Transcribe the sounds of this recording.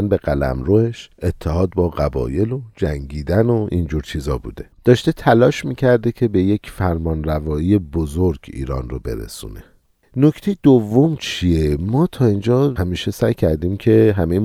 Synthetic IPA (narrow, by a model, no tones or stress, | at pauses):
nbe̞ɣælæ̰mɾoːheʃe̞t̪ʰːeɦɒːd̪̚bɒːɣæbɒ̰ːje̞lod͡ʒæŋɟiːd̪ænoʔind͡ʒuːɾt͡ʃʰiːzɒːbṵːd̪e̞d̪̥ɒːʃt̪e̞t̪ʰælɒːʃmiːcʰæɾd̪ecʰe̞be̞je̞cfæɾmɒːnrævɒːiːjebozoɾɡḭːɾɒːnro̰be̞̰ɾḛsṵːne̞ | nocʰt̪ʰe̞jed̪ovːomt͡ʃʰiemɒːt̪ʰɒːind͡ʒɒːhæmiːʃe̞sæjcʰæɾd̪iːmcʰe̞ɦæmej